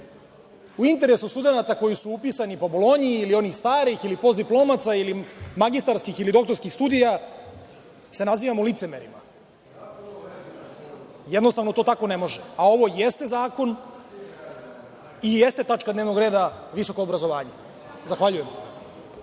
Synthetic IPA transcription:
uint̪̬eɾesust̪ud̪e̞nat̪ako̞jisuupisanipabolo̞ɲiːlio̞nixst̪aːɾixilipo̞sd̪iplˠo̞ːmat̪sailimaɡist̪aɾskixilid̪o̞kt̪o̞ɾskixst̪ud̪ija | se̞naziːʋamolit̪semeɾḭma̰ | jed̪nost̪aʋno̞t̪o̞ːt̪ako̞nemo̞ʒeao̞ʋo̞jest̪e̞zaːko̞n | ijest̪e̞t̪at͡ʃkad̪neʋno̞ɡɾe̞ːd̪aʋiso̞ko̞ːbɾazo̞ʋaːɲe | zaxʋaʎujem

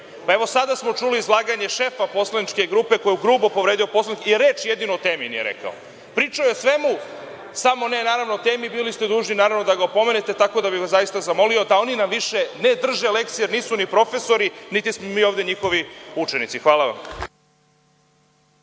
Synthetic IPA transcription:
pae̞ʋo̞sad̪asmo̞t͡ʃuliːzlˠaːɡaɲe̞ʃe̞fapo̞slˠanit͡ʃke̞ɡɾuːpe̞ko̞jeuɡɾuːbopo̞ʋɾed̪io̞po̞slanikiɾeːt͡ʃje̞d̪inoot̪e̞ːminijḛɾḛka̰o̰ | pɾiːt͡ʃaojeosʋe̞mu | samo̞ne̞naːɾaʋnot̪e̞ːmibiːlist̪e̞d̪uːʒninaːɾaʋnod̪aɡaopo̞me̞net̪e̞t̪ako̞d̪abiʋaszajist̪azamo̞liod̪ao̞ninamʋiʃe̞ne̞d̪r̩ʒele̞kt̪ijeɾniːsunipɾo̞fe̞so̞ɾinit̪ismomiːo̞ːvd̪e̞ɲixo̞ʋiut͡ʃenit̪sixʋaːlˠaʋa̰m

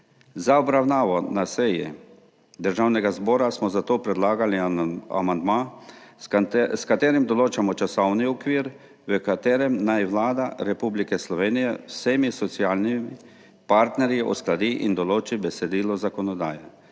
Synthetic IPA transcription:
zaɔbɾawnaːʋɔnasɛjɛ | d̪əɾʒaːwnɛɡazbɔːɾasmɔzat̪oːpɾɛd̪laːɡalia̰mand̪maː | skat̪eːɾimd̪ɔloːt͡ʃamɔt͡ʃasɔwniɔkʋiːɾ | ʋəkat̪eːɾɛmnajʋlaːd̪aɾɛpublikɛslɔʋeːnijɛwseːmisɔt̪sijaːlnimi | paɾt̪nɛɾjiʔɔ̰sklad̪iʔind̪ɔloːt͡ʃibɛsɛd̪iːlɔzakɔnɔd̪a̰ːja

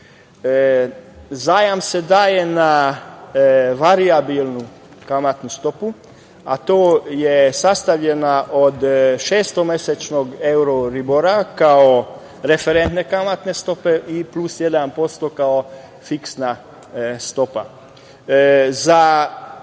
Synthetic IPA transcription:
zaːjamse̞d̪aːje̞na | ʋaɾiabilˠnu | kamat̪nust̪o̞pu | a̰t̪oːjesast̪aʋʎenaʔod̪ʃeːst̪o̞meset͡ʃnoɡe̞uɾoɾibo̞ɾakao | ɾe̞feɾent̪ne̞kamat̪ne̞st̪o̞pe̞ʔiplusjed̪anpo̞st̪o̞kao | fiksna | st̪o̞pa̰ | za

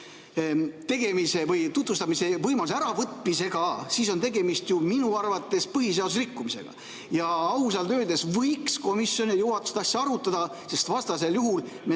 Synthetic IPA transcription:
t̪e̞ɡ̥e̞mise̞vɤjt̪ut̪vust̪ɑmise̞vɤjmɑlus̬æɾɑvɤt̪ˑmise̞ɡ̥ɑsiso̞nt̪e̞ɡe̞mist̪juminuɑrvɑt̪ːˑe̞spɤɦiseɑd̪usrikːumise̞̰ɡ̥ɑ̰ | jɑɑus̬ɑlt̪ø̞ːd̪e̞svɤjksko̞misjo̞nijuhɑt̪ːˑu̥st̪ɑsːjɑɑɾut̪ːˑɑd̪̥ɑ | se̞st̪vɑst̪ɑse̞ljuɦul | me

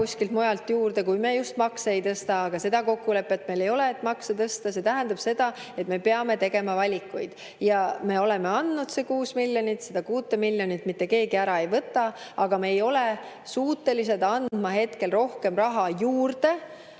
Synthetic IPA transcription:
kusʲkilt̪mo̞jɑlt̪juːrd̪e̞kujmejust̪mɑkseejt̪ɤst̪ɑːɡ̥ɑse̞d̪̥ɑko̞kːule̞pːˑe̞t̪ːme̞jle̞jo̞leet̪ːˑmɑkset̪ɤst̪ɑse̞t̪æɦænd̪̥ɑb̥se̞d̪̥ɑ | e̞t̪me̞pe̞ɑme̞t̪e̞ɡe̞mɑvɑlʲikːˑujd̪̥ | jɑme̞o̞le̞me̞ɑnd̪nud̪̥sekuːsmilʲjo̞nit̪se̞d̪̥ɑkuːt̪ːˑemilʲːjo̞nit̪ːˑmit̪ːe̞ke̞ːɡiæɾɑe̞jvɤt̪ːˑɑɑɡ̥ɑmeːjo̞le | suːt̪ːe̞liset̪ɑnd̪̥mɑɦe̞t̪ke̞lro̞hke̞mrɑɦɑjuːrd̪̥e̞

